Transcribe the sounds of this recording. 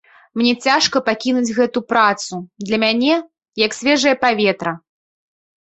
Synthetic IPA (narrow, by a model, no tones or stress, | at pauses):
mnʲɛt͡sʲaʂkɐpakʲinud͡zʲɣɛt̪upɾat̪sud̪lʲɐmʲanʲɛ | jɐksʲvʲɛʐɨjɐpavʲɛt̪ɾɐ